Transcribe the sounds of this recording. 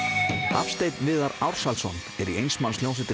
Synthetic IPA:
a̰fst̪ejt̪nvɪːðaɾawɾ̥salsɔn | ɛɾiejnsmansljowns̬ɪt̪ɪ

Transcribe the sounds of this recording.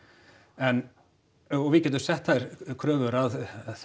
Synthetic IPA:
ɛn | ɔɣvɪcɛːt̪̬ʏ̥sɛht̪θaɾ̥kʰɾœːvʏɾaðθ

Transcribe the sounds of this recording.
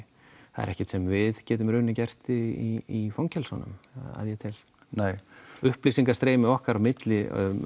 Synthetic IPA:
aðɛ̰ɾɛ̰hcɪt̪sɛmvɪðcɛːt̪ʏmɾʏːnɪcɛr̥t̪ɪiifawŋcɛlsɔnʏ̰ma̰ðjɛt̪ʰɪl | nejʏhplisiŋkast̪ɾeːjmɪɔhkaɾamɪt̪lɪ̰

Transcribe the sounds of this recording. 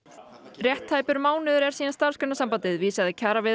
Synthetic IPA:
rjɛht̪haːjpʏɾmaːwnɪðʏɾɛɾ̥siːanst̪aɾ̥skʏnasampant̪ɪðviːsaðɪcʰaːɾavɪ

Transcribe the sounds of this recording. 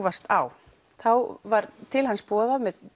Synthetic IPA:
vast̪aw | θawvaɾt̪ʰɪlhanspɔːðaðmɛð

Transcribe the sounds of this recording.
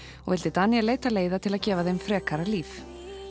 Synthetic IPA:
ɔ̰ɣvɪlt̪ɪt̪anːijaleːjt̪aleːjðat̪ʰɪlaðcɛːvaðejmfɾɛːkaɾaliːf

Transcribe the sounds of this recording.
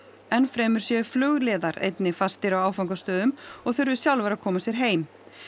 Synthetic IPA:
ɛnfɾɛːmʏɾ̥sjɛflʏɣlɛːðaɾḛjt̪nɪfast̪ɪɾawawfawŋkast̪œːðʏmɔɣθʏɾvɪsjawlvɛɾakʰɔːmasjɛɾ̥ɦeːjm

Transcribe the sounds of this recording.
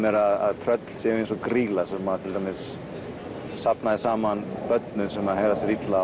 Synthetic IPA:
mɛɾaða̰ðt̪ʰɾœt̪l̥sjɛːvʏensɔkɾiːlasɛmːaðt̪ʰɪlt̪amɪs | sapnaðɪsaːmanpœt̪nʏsɛmaðhɛvðasɪɾit̪la

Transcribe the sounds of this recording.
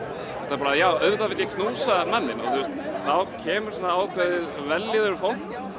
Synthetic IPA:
ɛft̪aɾpaːɾajaːwœɥðavɪt̪jakʰnuːsamanːɪnɔ̰ɣθust̪θawcʰɛːmʏɾ̥sɔnːaaːwkʰvœðɪð | vɛlːiðʏɾfowl̥t

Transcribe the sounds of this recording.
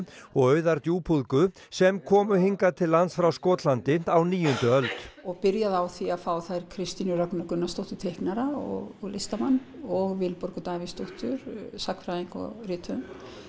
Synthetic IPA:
ɔɣœːɥðaɾt̪juːpʰuðkʏ | sɛmkʰɔːmʏhiŋkat̪ʰɪlːant̪sfɾawskɔːt̪lant̪ɪn̥t̪awniːjʏnt̪ʏœlt̪ɔɣpɪɾjaðawθiaðfaːwθajɾkʰɾɪst̪inʏɾœknʏkʏnːast̪owht̪ʏt̪ʰehknaɾaɔ̰ɣɔɣlest̪amanːɔɣvɪlpɔɾkʏt̪aːvist̪owht̪ʏɾsakfɾaðiŋkɔ̰rɪːt̪ʰʏm

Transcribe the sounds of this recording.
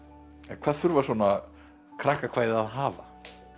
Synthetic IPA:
ɛnkʰvaːðθʏɾvasuɔna | kʰɾahkakʰvaːjðaðɦaːva̰

